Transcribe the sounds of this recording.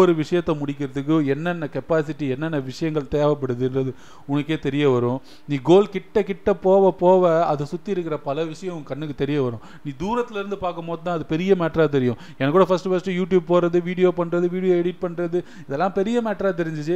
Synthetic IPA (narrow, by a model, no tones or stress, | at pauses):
ɔɾɯʋɪʂɐjɐt̪ːɐmʊɽɪkːɪɾɐðɯk̬ːɯɛnːɐnːɐkɛpaːsɪʈːiɛnːɐnːɐʋɪʂɐjɐŋɡɐɭt̪eːʋɐp̬ːɐɽɯðɯnrɐðɯ | ʊnɐkːeːt̪ɛɾɪjɐʋɐɾʊ̃ | niːɡoːlkɪʈːɐkɪʈːɐpoːʋɐpoːʋɐɐðɐsʊt̪ːiɪɾɯkːɪɾɐpɐlɐʋɪʂɐjɐ̃ʊŋɡɐkːɐɳːɯkːɯt̪ɛɾɪjɐʋɐɾʊ̃ | niːd̪uːɾɐt̪ːɪlɪɾɯnd̪ɯpaːɾkɐmoːðɯt̪ãːɐðɯpɛɾɪjɐmeːʈɾaːt̪̬ɛɾɪjʊ̃ | ɛnɐkːɽɐfɐsʈɯfɐsʈɯjuːʈjuːb̚poːɾɐðɯʋiːɽɪjoːpɐɳːɾɐðɯʋiːɽɪjoːɛɽɪʈ̚pɐɳːɾɐðɯ | ɪðɛlːãːpɛɾɪjɐmɛːʈɾaːt̪̬ɛɾɪɲd͡ʒɯt͡ʃːɯ